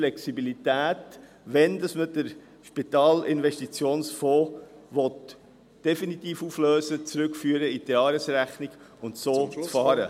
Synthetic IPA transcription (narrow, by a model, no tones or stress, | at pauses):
lɛksibilit̪æːt | ʋɛnd̥ɑsmədəɾ | ʃpit̪ɑːlɪnʋɛʃtit͡sjoːnsfɔːʋɔt | d̥ɛfinit̪iːfuːfløːsət͡sɾʏkfyːəɾəiteɑːɾəsɾæχniɡ̥ʊntsoːt͡sfɑːɾə̰